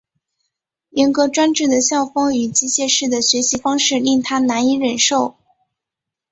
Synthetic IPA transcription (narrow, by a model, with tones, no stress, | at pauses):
jɛ˧˥nkɤ˧˥ʈ͡ʂwa˥nʈ͡ʂɻ̩˥˩d̪ə˩ɕjɑ˥˩ʊfɤ˥ŋy˨˩t͡ɕi˥˧ɕjɛ˥˧ʂɻ̩˥˩d̪ə˩ɕɥɛ˧˥ɕi˧˥fɑ˥ŋʂɻ̩˥˧li˥˩ŋt̪ʰa˥na˧˥ni˧˥ɻə˨˩nʂo˥˩ʊ